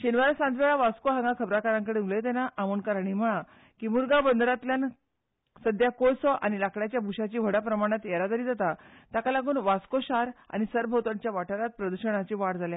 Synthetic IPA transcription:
ɕinʋəɾasãnd͡z̪ʋeɭaʋaskoɦãŋɡakʰəbɾakaɾãŋkəɽeulet̪ɛnaʔːmunkaɾaɳ̃im̤əɭ̃ã | kiːmuɾɡabənd̪ɾat̪ljan | səd̪ʱjakolsɔʔañilakɽjat͡ɕjabʱuɕat͡ɕiːʋ̤əɽapɾəmaɽ̃at̪jeɾat̪əɾiːd͡zat̪at̪jakalaɡuːnʋaskoɕaɾa̰ñisəɾbʱəwt̪aɲt͡ɕjaʋaʈəɾat̪̚pɾəd̪uɕəɽ̃at͡ɕiːʋaɽd͡zalja

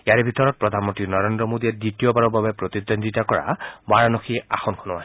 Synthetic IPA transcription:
iaɹɛbʱitɔɹɔt̚pɹɔdʱanmɔntɹinɔɹendɹɔmodiɛdɹitiɔbaɹɔbabɛpɹot̪id̪onditakɔɹa̰baɹanoxiaxɔnkʰɔnɔa

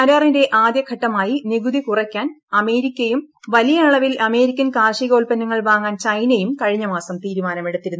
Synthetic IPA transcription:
ɐɾaːrinde̞ʔaːd̪jɐkʰɐʈːɐmaːjiniɡuðikurɐkʲːaːn | ɐme̞ːɾikʲːɐjum | ʋɐlijɐːɭɐʋilɐme̞ːɾikʲːɐnkaːrʂiɣo̞ːlpɐnːuŋːɐɭʋaːŋːaːnt͡ɕɐjnejumkɐɻiɲːɐmaːsɐmt̪iːɾumaːnɐmeɽut̪ːiɾunː

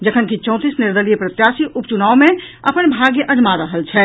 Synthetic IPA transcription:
d͡ʒəkʰənkit͡ʃə̃ʊ̃t̪isnɪɾd̪əlijəpɾət̪jasiʔupt͡ʃunaːwmẽəpənbʱaɡjəʔəd͡ʒmaɾəɦəlt͡ʃʰɛ

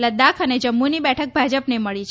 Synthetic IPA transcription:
ləd̪akʰəned͡ʒəmːunibɛʈʰək̚bʱad͡ʒəpneməɭit͡ʃʰ

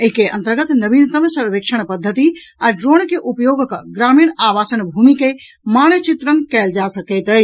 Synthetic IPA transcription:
əɦikeə̰nt̪əɾɡət̪nəbint̪əmsəɾʋekʃʰəɳ̃pəd̪ʱːət̪i | aɖɾonkeʔupjoɡkɡɾamiɳaʋasənbʱumike | manət͡ʃit̪ɾənkɛld͡ʒasəkɛt̪əj

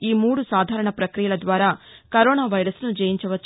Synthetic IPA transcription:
iːmuːɽusaːd̪ʱaːɾɐɳɐpɾɐkɾijɐlɐd̪ʋaːɾaːkɐɾoːnaːʋɐjɾɐsnud͡ʒɛːjiɲt͡ʃɐʋɐt͡ʃː

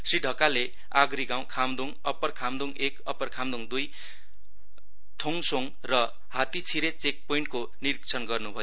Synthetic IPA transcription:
sriɖʱʌkale | aɡɾiɡaw̃kʰamd̪uŋʌpːʌrkʰamd̪uŋekʌpʌrkʰamd̪uŋd̪uj | t̪ʰoŋsoŋ | rʌ | hat̪it͡sʰiɾet͡sek̚poiɳʈko | niɾik̚t͡sʰʌnɡʌrnubʱʌjo

